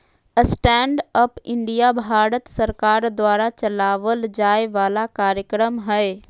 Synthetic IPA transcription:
əsʈɛ̃ːɳɖəpɪ̃ɳɖijabʱaːɽət̪sɐɾkaːɾd̪waːɾat͡ʃɐlaːʋəld͡ʒaːeʋaːlakaːɾjəkɾəmɦɛe

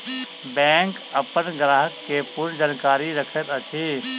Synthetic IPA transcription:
bɛ̃ːŋk | əpənɡɾaːɦəkːepʊɾnd͡ʒaːnkaːɾiɾəkʰət̪ət͡ʃʰiː

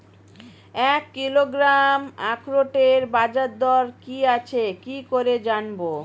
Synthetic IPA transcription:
ɛkːiloɡɾamakɾoʈeɾbad͡ʑaɾd̪ɔɾkiat͡ɕʰekikoɾed͡ʑanbo

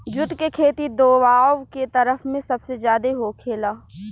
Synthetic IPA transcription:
d͡ʒʊʈkekʰeːt̪id̪oːwaːʋket̪ɐɾəfmẽsɐbsezjaːd̪eɦokʰeːlaː

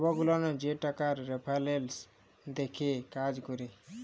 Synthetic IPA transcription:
bɔɡulɔned͡ʒeʈakaɾːepʰalels | d̪ekʰekad͡ʒkɔɾe

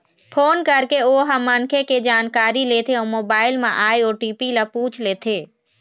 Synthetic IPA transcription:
pʰoːnkɐɾkeoːɦəmːəŋkʰeked͡ʒaːnkaːɾileːt̪ʰeomoːbaːɪlmḛ̃ʔaːeoːʈiːpilapũːt͡ʃʰleːt̪ʰeː

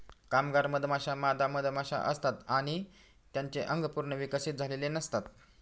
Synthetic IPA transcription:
kamɡaɾməd̪ʱmaɕamad̪aməd̪ʱmaɕa̰ʔəst̪at̪aɽ̃i | t̪jaɲt͡seʔəŋɡpuɾɳəʋikəsit̪̚d͡zʱalelenəst̪at̪̚

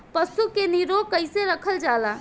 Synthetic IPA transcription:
pəsukeniɾokəɪseɾəkʰəld͡ʒala

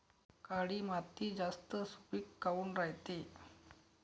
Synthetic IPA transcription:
kaɽiːmat̪iːd͡zast̪əsupiːkːauːnɾaɦt̪e

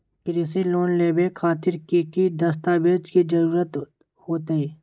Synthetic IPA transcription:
kɾisiloːnleːbekʰaːt̪ɪɾkikid̪ɐst̪aːbeːd͡ʒkid͡ʒəɾuːɾət̪ | hoːt̪eeː

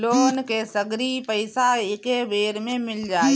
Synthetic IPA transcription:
loːnkesəɡɾipəɪsaɪkeʋeːɾmẽmɪld͡ʒaːe

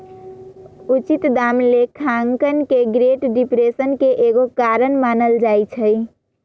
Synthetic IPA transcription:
ut͡ʃit̪d̪amlekʰaŋkənkeɡɾeʈɖipɾesənkeʔeɡokaɾənmanəld͡ʒajt͡ʃʰəj

